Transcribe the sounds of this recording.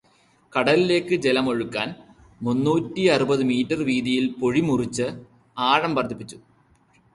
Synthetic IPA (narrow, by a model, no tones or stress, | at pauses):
kɐɽɐlile̞ːkːɨd͡ʑelɐmo̞ɻukːa̰ːn | munːuːtːiɐrubɐðɨmiːtːɐrʋiːðijilpo̞ɻimurit͡ɕːɨ | aːɻɐmpɐrt̪ʰːipːit͡ɕːu̥